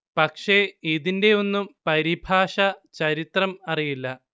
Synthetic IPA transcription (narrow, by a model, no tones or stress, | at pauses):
pɐkʂe̞iðinde̞o̞nːumpɐɾibʱaːʂɐt͡ɕɐɾit̪rɐmɐrijilːɐ